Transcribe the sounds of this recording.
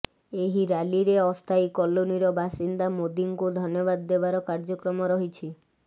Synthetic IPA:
eɦiɾaliɾeɔst̪ʰajkɔloniɾɔbʱasind̪amod̪iŋkud̪ʱɔnjɔbad̪ːebaɾɔkaɾd͡ʒɔkɾɔmɔɾɔɦit͡ʃʰi

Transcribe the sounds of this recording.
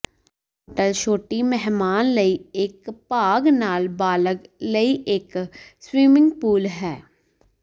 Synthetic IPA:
oːʈəlʃoːʈimɛɦmaːnləieːkpaːɡnaːlbaːləɡləiʔeːkswiːmɪ̃ŋɡpuːlɦɛː

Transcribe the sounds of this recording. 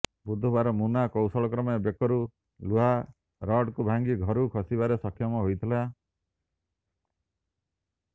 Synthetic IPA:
bud̪ʱːubaɾɔmunakɔwsɔɭɔkɾɔmebjekɔɾu | luɦa | ɾɔɖkubʱaŋɡiɡʱɔɾukʰɔsibaɾesɔkʰjɔmɔɦojt̪ʰila

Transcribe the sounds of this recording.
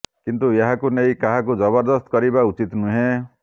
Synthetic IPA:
kint̪ueɦakunejkaɦak̬ud͡ʒɔbɔɾd̪ɔst̪ɔ̥kɔɾibaut͡ʃit̪nuɦẽ

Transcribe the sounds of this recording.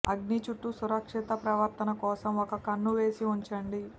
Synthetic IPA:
ɐɡnit͡ʃuʈːusuɾɐkʂit̪ɐpɾɐʋɐɾt̪ɐnɐkɔːsɐmɔkɐkɐnːuʋe̞ːsiuɲt͡ʃɐɳɖi

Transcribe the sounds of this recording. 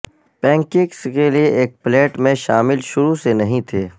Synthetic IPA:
pɛ̃ːŋkɪ̃kskelieʔeːk̚pleːʈmẽʃaːmɪlʃʊɾusenɐɦĩt̪ʰeː

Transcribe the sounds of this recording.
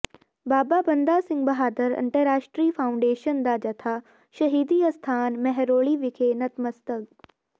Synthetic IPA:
baːbabɐnd̪asɪ̃ŋɡ̚bɐɦaːd̪əɾɪ̰̃ɳʈəɾaːʃʈɾiːfʰaːʊ̃ɳɖeːʃənd̪ad͡ʑɐt̪ʰaː | ʃɐɦiːd̪iɐst̪ʰaːnmɛɦɛɾoːɭiʋɪkʰenɐt̪mɐst̪əɡ

